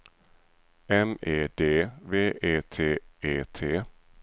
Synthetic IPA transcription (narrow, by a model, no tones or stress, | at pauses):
ɛmeːd̪eːveːʔeːt̪ʰeːeːt̪ʰeː